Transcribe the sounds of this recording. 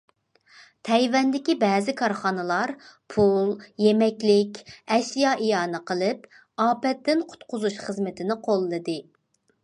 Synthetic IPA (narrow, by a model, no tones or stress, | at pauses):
t̪ʰɛjvɛnd̪ɪkʲibɛːzɪkʰɑɾχɑnɨlˠɑɾpʰulˠjemɛkʲlɪkʲɛʃjɑʔijɑːnɨqəlˠɨp | ɑːpɛt̪ːɪnqʰʊ̥t̪qʊzuʃχəzmɪt̪ʰɪnɪqʰolˠːɨd̪ɨ